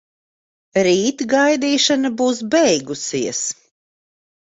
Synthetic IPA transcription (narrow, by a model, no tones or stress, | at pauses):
ɾiːt̪ɡajd̪iːʃanabuːsbɛjɡusiɛs